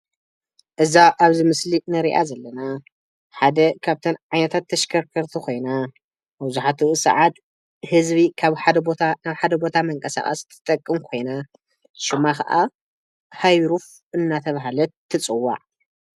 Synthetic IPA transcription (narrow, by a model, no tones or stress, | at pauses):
ʔɨzaʔaβzɨmɨslinɨɾiʔa̰zɐlːɐna | ħad̪ɐkʰaβt̪ʰɐnʕajnɐt̪ʰat̪ʰːɐʃkʰɐɾkʰɐɾt̪ʰukʰo̞jna | bzuħat̪ʰuʔɨsɐ̰ʕat̪ | hɨzβikʰaβħad̪ɐbot̪ʰanaβħad̪ɐbo̞t̪ʰamɐŋkʼɐsa̰χʼɐ̰st̪ʰɨ̥t̪ʼɐkʼːɨmkʰo̞jna | ʃɪmaxɐ̰ʔa | hajɾuf | ɨnːat̪ʰɐβaɦalɐt̪ʰːɨt͡sʼɨwːa̰ʕ